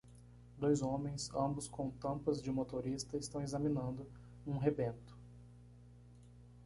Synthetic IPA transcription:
d̪ojzõmẽj̃sɐ̃mbʊskõw̃t̪ɐ̃mpɐzd͡ʒɪmot̪oɾist̪ɐɪst̪ɐ̃w̃ezɐmĩnɐ̃nd̪ʊ | ũɦebẽnt̪ʊ̥

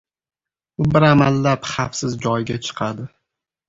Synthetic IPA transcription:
ʊbɪɾamalːapχafsɪzd͡ʒɒjɡʲat͡ʃʰɨ̥qʰad̪ɪ

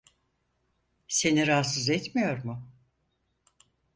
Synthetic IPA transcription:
se̞niɾaːsɯzɛt̪mijo̞ɾmʊ

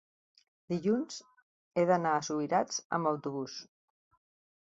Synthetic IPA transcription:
d̪iʎunz̥ | eðənaəsuiɾad͡zə̰mbəwt̪uβ̞us

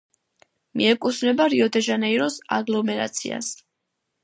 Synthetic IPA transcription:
miɛkʼusvnɛbaɾiɔd̪ɛʒanɛiɾɔsa̰ɡlɔmɛɾa̰t̪sʰḭa̰s

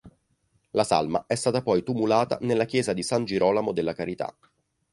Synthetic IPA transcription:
lasa̰lma̰ʔɛst̪aːt̪apɔjt̪umulaːt̪a̰nelːak̟jɛːzad̪isand͡ʒiɾʔɔːlamod̪elːakaɾit̪a̰

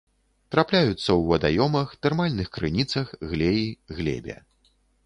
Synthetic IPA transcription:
t̪ɾaplʲajut̪sːɐwːɐd̪a̰jɔmɐxt̪ɛrmalʲnɨxkɾɨnʲit̪sɐxɣlʲɛjiɣlʲɛ̰bʲɛ̰

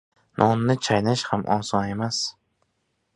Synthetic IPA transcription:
nʔɒnːɪt͡ʃʰajnɪʃhamʔɒ̰nsɒne̞mas

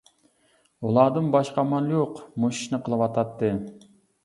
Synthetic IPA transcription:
ulˠɑːd̪ɨnbɑʃqɑmɑlˠjoqmoʃi̥ʃnɨqʰəlˠɨwɑt̪ʰɑt̪ːɨ

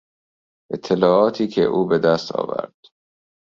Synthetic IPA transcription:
ʔet̪ʰːe̞lɒːɒːt̪ʰiːkʰḛʔuːbe̞d̪æst̪ʰɒ̰ːvæ̰ɾd̪̥

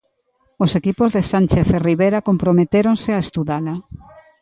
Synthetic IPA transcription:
osekipozðesanʲt͡ʃeθeriβeɾakompɾomet̪eɾoŋsɪaest̪uðala

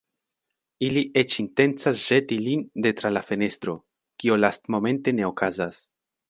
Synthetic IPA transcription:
iliʔe̞t͡ʃinte̞nt͡sasʒ̥e̞tilinde̞tɾalafe̞ne̞st̪ɾo̞ | kio̞lastmo̞me̞nte̞ne̞o̞kʰazas

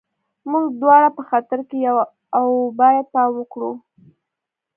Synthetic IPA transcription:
muɡd̪wɑɽapəxat̪əɾkejaw | awbɑjad̪̚pɑmwəkɽu

